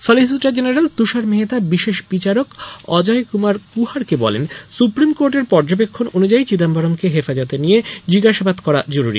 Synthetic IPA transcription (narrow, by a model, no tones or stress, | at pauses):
sɔlis̬iʈad͡ʑeneɾelt̪uʃaɾmeɦet̪abiʃeʃbit͡ɕaɾokɔd͡ʑajkumaɾkuɦaɾkebɔ̰lensupɾimkoɾʈeɾpɔɾd͡ʑobekʰːononud͡ʑait͡ɕid̪ambʱaɾomkeɦefad͡ʑot̪enijed͡ʑiɡaʃabad̪kɔɾad͡ʑoɾuɾḭ